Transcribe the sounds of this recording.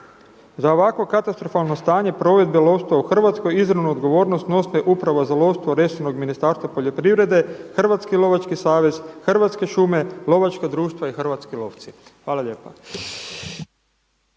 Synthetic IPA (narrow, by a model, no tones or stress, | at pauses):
zao̞ʋakʋo̞kat̪ast̪ɾo̞falˠno̞st̪aːɲe̞pɾo̞ʋe̞d̪belˠo̞ʋst̪ʋauxr̩ʋat̪sko̞jizɾaʋnuod̪ɡo̞ʋo̞ːɾnost̪no̞smeʔupɾaʋazalo̞ʋst̪ʋoɾe̞sono̞ɡminist̪aːɾst̪ʋapo̞ʎo̞pɾiʋɾe̞d̪e̞xr̩ʋat̪skilˠo̞ʋat͡ʃkisaːʋe̞z̥xr̩ʋat̪ske̞ʃume̞lˠo̞ʋat͡ʃkad̪ɾuːʃt̪ʋaixr̩ʋat̪skilo̞ːʋt̪sixʋaːlaʎe̞ːpa